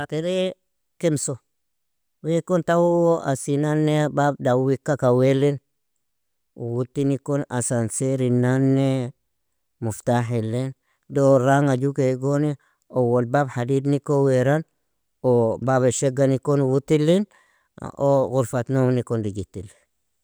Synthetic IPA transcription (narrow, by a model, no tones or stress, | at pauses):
ateɾe | kemso | wekːontawuwoʔasinanːebab̚dawikːakawelːen | wutːinikona̰sanseɾinanːe | muftaħilːen | doɾaŋad͡ʒukeɡoni | owolbabhadid̪nikːoweɾan | obabeʃeɡanikːonwutːilːin | oɣuɾfat̪nomnikondiɡitːili